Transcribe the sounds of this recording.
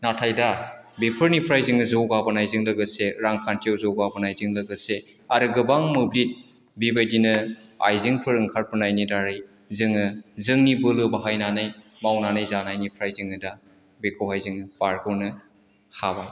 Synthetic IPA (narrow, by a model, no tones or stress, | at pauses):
natʰajdabepʰɯɾnipʰɾajzɯŋɯzɯwɡabɯnajzɯŋlɯɡɯseɾaŋkʰantʰiawzowɡabɯnajzɯŋlɐɡɯse | aɾɯɡɯbaŋmɯblit̚ | bibajdinɯa̰jzɯŋpʰɯɾɯŋkʰaɾ̚pʰɯnajnidaɾɯj | zɯŋɯzɯŋnibɯlɯbaɦajnanɯjmawnanɯjzanajnipʰɾajzɯŋɯda | bekʰowɦajzɯŋpaɾɡɔnɯ | haba